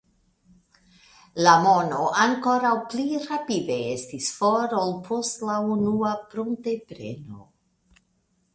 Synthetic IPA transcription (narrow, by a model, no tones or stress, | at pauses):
lamono̞ʔaŋko̞ɾawpliɾapide̞e̞stisfoɾolpʰo̞stlaunuapɾuntepɾe̞̰no̞̰